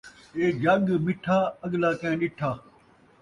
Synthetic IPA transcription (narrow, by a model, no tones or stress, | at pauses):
eːd͡ʒɐɠmɪʈʰaːɐɠlaːkẽːɗɪʈʰaː